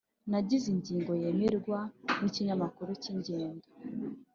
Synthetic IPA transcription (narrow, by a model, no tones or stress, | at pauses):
naɟiziɲɟiːŋɡo̞je̞meɾɡwaniciɲamakuɾuciɲɟeːndo